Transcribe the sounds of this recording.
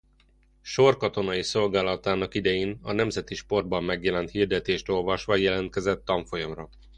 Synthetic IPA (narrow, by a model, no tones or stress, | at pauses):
ʃo̞rkɒt̪o̞nɒjiso̞lɡaːlɒt̪aːnɒkid̪ɛjeːnɒnɛmzɛt̪iʃpo̞rbɒmːɛɡjɛlɛnt̪hiːrd̪ɛt̪eːʃt̪o̞lvɒʃʋɒjɛlɛnt̪̚kɛzɛt̪ːɒɱfo̞jɒmrɒ